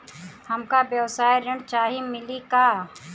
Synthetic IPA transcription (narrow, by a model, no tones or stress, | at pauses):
hɐmkabjɐwsaːjɾɪɳt͡ʃaːɦimɪlikaː